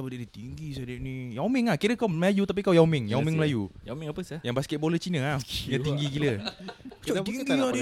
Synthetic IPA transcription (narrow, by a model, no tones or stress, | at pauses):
apədeʔnit̪iŋɡisadeʔnijawmĩŋakiɾəkawməlajut̪ap̬ikawjawmɪŋjawmĩŋməlajujamĩŋapəsajãŋbaskɛt̚bolət͡ʃinəajat̪iŋɡikilət͡ʃɔiŋɡi